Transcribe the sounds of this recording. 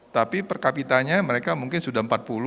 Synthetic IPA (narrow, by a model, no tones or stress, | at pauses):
t̪apipərkapit̪aɲaməɾekamuŋkɪnsudaəmpat̪̚pul